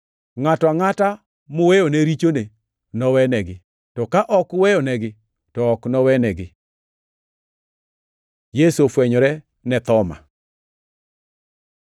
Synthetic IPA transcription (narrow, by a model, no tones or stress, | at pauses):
ŋatɔaŋata | mʊwejonɛɾit͡ʃone | nɔwɛnɛɡɪ | tɔkaʔɔkwɛjɔnɛɡɪ | tɔːknɔwɛnɛɡɪ | jesofwɛɲɔɾɛ | nɛt̪ɔma̰